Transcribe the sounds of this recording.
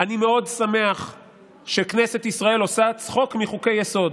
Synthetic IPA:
animeo̞dsame̞aχ | ʃekne̞set̪isʁae̞lo̞sat͡sχo̞kmiχuke̞jːeso̞d

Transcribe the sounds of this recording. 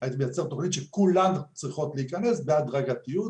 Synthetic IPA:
at̪mejat͡seʁt̪o̞χnit̪ʃekulamt͡sʁiχo̞t̪leikane̞sbeadʁaɡatiju

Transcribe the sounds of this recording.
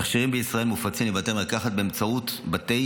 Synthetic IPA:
aχʃiʁimbeisʁaelmufat͡simibat̪emlakaχat̪̚beːmt͡sautbat̪e̞j

